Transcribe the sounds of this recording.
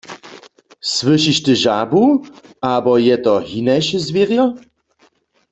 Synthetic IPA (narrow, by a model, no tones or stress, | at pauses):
swɨʃiʃt̪əʒabuabɔjɛt̪ɔɦinajʃəzvjeʁjɔ